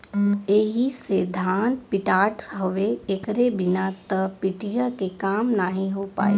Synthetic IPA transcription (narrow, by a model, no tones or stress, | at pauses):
eːɦiseːd̪ʱaːnpɪʈaːʈɦəʋeːkɾebɪnat̪əpɪʈijakekaːmnaɦĩɦoːpa̰ːḛː